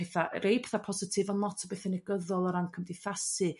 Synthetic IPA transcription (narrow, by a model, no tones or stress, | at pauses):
eθaɾejpʰe̥θapʰɔzɪtʰɪvanlˠɔtʰɔbeθənɛɡəðɔlˠəɾankʰəmdɪθasɨ